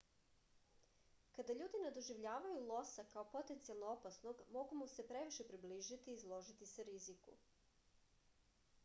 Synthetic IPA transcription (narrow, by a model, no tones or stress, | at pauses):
kad̪aʎuːd̪ined̪oʒiʋʎaːʋajulˠo̞sakaopo̞t̪ent̪sialˠnoopasno̞ɡmo̞ɡumuse̞pɾe̞ʋiʃe̞pɾibliːʒit̪iːzlˠo̞ʒit̪iseɾizikṵ